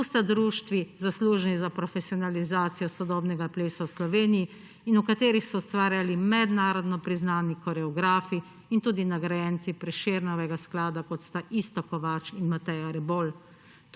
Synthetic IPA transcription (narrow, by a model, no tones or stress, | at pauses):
ust̪ad̪ɾuːʃt̪ʋizasluːʒnizapɾɔfɛsiɔnalizaːt̪sijɔsɔd̪ɔːbnɛɡapleːsawslɔʋeːnijiː | nukat̪eːɾixsɔwst̪ʋaːɾjalimɛd̪naːɾɔd̪nɔpɾiznaːnikɔɾɛɔɡɾaːfiː | nt̪uːd̪inaɡɾajɛːnt̪sipɾɛʃeːɾnɔʋɛɡasklaːd̪akɔt̪st̪aʔist̪ɔkɔʋat͡ʃinmat̪ɛjaɾɛbol | t̪